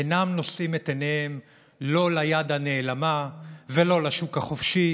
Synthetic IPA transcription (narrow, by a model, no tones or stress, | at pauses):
enamno̞sʔimet̪eneem | lo̞lajadhane̞ːlamavelo̞laʃukhaχofʃi